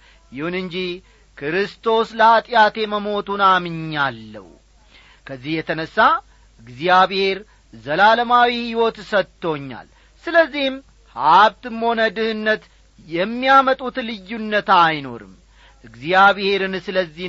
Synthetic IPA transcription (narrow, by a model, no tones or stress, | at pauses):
jɪhunɨɲd͡ʒih | kʰɾɨst̪ʰo̞sləhat̪ʼjat̪ʰe̞məmo̞t̪ʰunamɨɲːalːə̰hu | kʰəzːihjɛt̪ʰənəsːa | ʔɨɡzjaβhe̞ɾ | zəlaləmawihiwɔt̪sət̪ʰːo̞ɲːa̰l | sɨləzːihm | haβt̪ɨmho̞nəd̪ɨhɨnːət̪ | jɛmːijamət̪ʼut̪lɨjːunːət̪ajno̞̰ɾɨ̰m | ʔɨɡziaβhe̞ɾɨnsɨləzːih